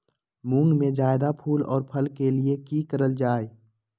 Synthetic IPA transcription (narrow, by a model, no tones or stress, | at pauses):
mũŋɡmẽd͡ʒaːɪd̪apʰuːlɔ̰ːɾpʰəlkeliekiːkəɾəld͡ʒaːe